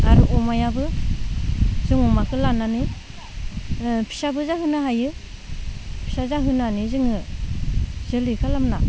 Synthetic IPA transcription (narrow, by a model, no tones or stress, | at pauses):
aɾɯʔɔmajabɯ | zɯŋumakʰɯlananɯ | pʰi̥sabɯzahɯnaɦajɯ | pʰi̥sazaɦɯnanizɯŋɯ | zɯlikʰalamna